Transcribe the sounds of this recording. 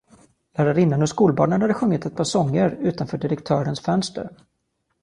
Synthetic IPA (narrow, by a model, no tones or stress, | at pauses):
læɾaɾɪnːənɔskuːlbɑ̰ːnənhad̪ːəɧɵŋːɪt̪ɛt̪̚pʰɑːʂɔŋːəɾʉ̟ːt̪anfœːɖɪɾəkt̪ʰœːɾənsfœnst̪ə̰ɾ